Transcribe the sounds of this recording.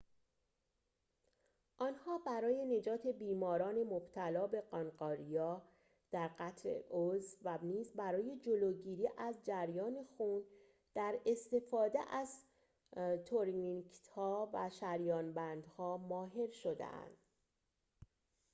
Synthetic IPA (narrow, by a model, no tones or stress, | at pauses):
ʔɒːnhɒːbæɾɒːje̞ne̞d͡ʒɒːt̪ʰe̞biːmɒːɾɒːne̞mob̥t̪ʰælɒːbe̞ɢɒnɢɒːɾijɒː | d̪̥æɾɢæt̪ʰɾḛʔozvæniːzbæɾɒːje̞d͡ʒoloːɟiːɾiːʔæzd͡ʒæɾjɒːne̞xuːn | d̪̥æɾe̞st̪e̞fɒːd̪ḛʔæz̥ | t̪ʰoɾnikt̪hɒːvæʃæɾjɒːnbænd̪hɒːmɒːɦe̞ɾʃo̞d̪ḛʔæ̰nd̪̥